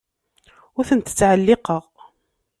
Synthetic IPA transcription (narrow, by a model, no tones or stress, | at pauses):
ʊθənt̪ə̥t͡sːʕəlːɪqəʁ